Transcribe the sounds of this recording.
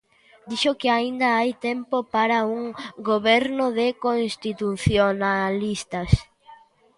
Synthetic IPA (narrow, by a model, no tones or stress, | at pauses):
d̪iʃokɪaind̪ɐajt̪empopaɾauŋɡoβɛɾnʊðekonst̪it̪uθjonalist̪ɐs